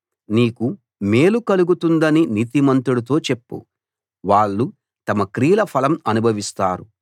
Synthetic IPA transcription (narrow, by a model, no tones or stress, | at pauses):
niːku | me̞ːlukɐluɡut̪und̪ɐniniːt̪imɐnt̪uɽut̪o̞ːt͡ʃepːṵ | ʋaːɭːu | t̪ɐmɐkɾiːlɐpʰɐlɐmɐnubʱɐʋist̪aːɾu